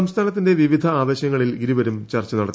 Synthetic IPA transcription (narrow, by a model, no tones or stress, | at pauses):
ɐmst̪ʰaːnɐt̪̬ːinde̞ʋiʋid̪ʱɐaːd̪eːɕjɐŋːɐɭilɡiɾiʋɐɾumt͡ɕɐrt͡ɕːɐnɐɽɐt̪ː